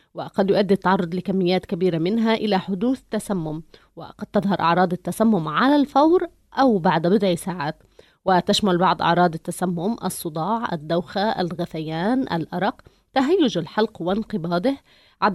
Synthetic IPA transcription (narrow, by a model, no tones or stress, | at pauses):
wɪqɑd̪jʊʔad̪ːit̪ːɑʕɑrˤːʊd̪ˤlɪkamːɪjːaːt̪kabiːɾamɪnɦaʔɪlaħʊd̪uːθt̪ːasamːʊm | wɪ̰qɑd̪̚t̪ɑðˤhɑɾˤʔɑ̰ʕɾˤɑːd̪ˤɪt̪ːasamːʊmʕalalfawɾ | ʔawbaʕd̪bɪd̪ʕisaːʕaːt̪ | wɪt̪aʃmalbɑʕd̪ˤʔɑ̰ʕɾˤɑːd̪ˤɪt̪ːasamːʊmʔɑ̰sˤːʊd̪ˤɑːʕʔa̰d̪ːawxaʔa̰lɣaθajaːnʔa̰lʔɑɾˤɑq | t̪aɦajːʊd͡ʒalħɑlqwɪnqɨbɑːd̪ɪh | ʕa